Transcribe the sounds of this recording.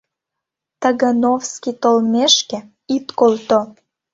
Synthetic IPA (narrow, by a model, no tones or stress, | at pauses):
t̪əɣə̆nofskit̪olmeʃkĕ | it̪kolt̪o